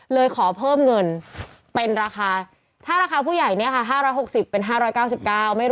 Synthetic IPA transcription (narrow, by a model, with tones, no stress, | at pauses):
lɤː˧jkʰɔː˩˦pʰɤː˥˩mŋɤ˧n | pe˧nɾaː˧xaː˧ | t̪ʰaː˥˩ɾaː˧xʰaː˧pʰuː˥˩ja˨˩jni˥˩ɐkʰa˥˩ɦaː˥˩ɾɔː˦˥jɦo˨˩k̚si˨˩pːe˧nɦaː˥˩ɾɔː˦˥jkaː˥˩wsi˨˩p̚kaː˥˩wma˥˩j